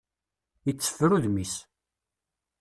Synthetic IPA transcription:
jət͡sːə̥fɾuðmis

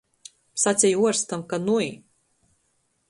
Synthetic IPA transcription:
sat̪sʲijuɔɾst̪amkanuj

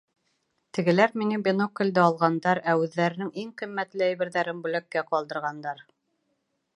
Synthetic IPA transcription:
t̪ɘ̆ɡɘ̆læɾminɘbʲenokːɘ̆lʲd̪ɘɑlˠʁɑnd̪ɑɾæʉðːæɾɘ̆nɘŋiŋqimːæt̪lɘæjβɘ̆ɾðæɾɘnbʉlækːæqɒlˠd̪ɤ̆ɾʁɑnd̪ɑɾ

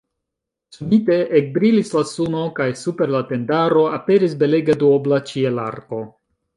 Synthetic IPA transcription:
subite̞ʔek̚bɾilislasuno̞kajsupe̞ɾlate̞ndaɾo̞ape̞ɾisbe̞le̞ɡeduoblat͡ʃiela̰ɾko̞

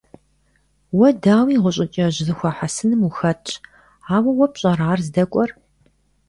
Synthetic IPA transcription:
wɐdaːwiːʁʷʊɕʼɪt͡ʃʼɐʑɪzɨxʷɐħasɨnɨmuxɐtʼʰ | aːwɐwɔpɕʼɐraːrzɨdɐkʷʼɔr

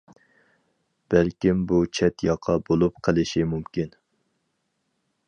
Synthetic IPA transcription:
b̥ælkʲimbut͡ʃʰɛt̪jɑqʰɑbolˠup̚qʰəlˠɪʃimumkʲin

